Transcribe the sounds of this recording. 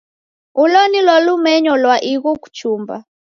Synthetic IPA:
ulɔnilwɔlumɛɲɔlwaʔiɣɔku̥t͡ʃumba̰

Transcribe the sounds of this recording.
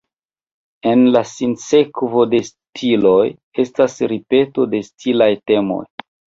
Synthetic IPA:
e̞nlasinse̞kvo̞de̞s | tʰiloj | e̞stasɾipe̞to̞de̞stʰilajte̞mo̞̰j

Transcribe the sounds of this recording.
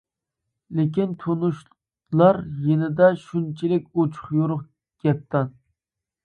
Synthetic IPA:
lɪkʲint̪ʰonuʃ | lˠɑɾjenɪd̪ɛʃunt͡ʃʰilɪk̚ʲot͡ʃʰʊ̥χjoɾʊχ | ɡ̥ʲɛt̪ʰːɑn

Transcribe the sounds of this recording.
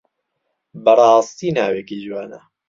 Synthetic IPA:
bɐrˤɑːst̪iːnaːweːkid͡ʒwaːnɐ

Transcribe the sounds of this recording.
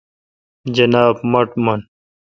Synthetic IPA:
d͡ʑɐnaːbmɐʈmɐn

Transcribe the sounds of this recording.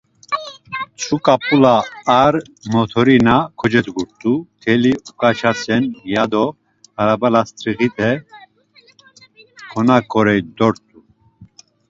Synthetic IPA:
t͡sʰukʼapʼulaːɾ | mɔt̪ʰɔɾinakʰɔd͡ʒɛt̪ɡuɾt̪ʼut̪ʰɛliukʼat͡ʃʰasʰʼɛnjad̪ɔ | haɾabalast̪ʰʼɾiɣit̪ʼɛ | kʰɔnakʼɔɾɛd̪ɔɾt̪ʼu

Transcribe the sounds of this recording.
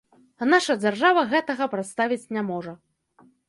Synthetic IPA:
naʂɐd͡zʲarʐavɐɣɛt̪ɐɣɐpɾat̪st̪avʲit͡sʲnʲamɔʐɐ

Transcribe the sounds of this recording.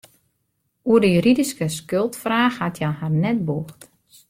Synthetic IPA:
uərdəjyɾidiskəskølˠtfraːxhatʰjaharnɛt̚boːxt

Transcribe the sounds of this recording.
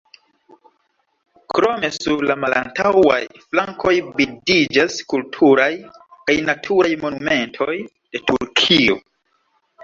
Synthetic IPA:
kɾo̞me̞suɾlamalantawa̰jflaŋkʰo̞jbidid͡ʒaskultʰuɾajkajnatʰuɾajmo̞nume̞ntʰo̞j | d̥e̞tuɾkʰio̞̰

